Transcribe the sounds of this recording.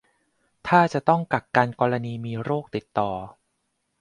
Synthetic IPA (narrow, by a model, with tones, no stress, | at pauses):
t̪ʰaː˥˩t͡ɕa˨˩t̪ɔ˥˩ŋka˨˩k̚kaː˧nkɔː˧ɾa˧niː˧miː˧ɾoː˥˩k̚t̪i˨˩t̪ːɔː˨˩